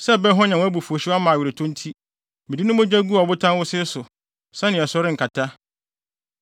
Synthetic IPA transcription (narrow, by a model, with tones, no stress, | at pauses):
sɛ˦˨bɛ˦ɦɔ̃˦ɲã˨w̃æ˦bu˨fu˨o˨ɕɪ˦a˦mã˨ɥɪ˨ɾe˨tʰõ˦n̩˦tʰi˦ | mɪ̃˨di˦nʊ̃˦mʊ̃˦d͡ʑᶣa˦ɡu˦a˨bʊ˦tʰã˦nwʊ˦sɪ˦sʊ˨ | sã˦nɪ̃˨ɛ˨sɔ˦ɾɪ˦ŋ̩˨kʰa˨tʰa˦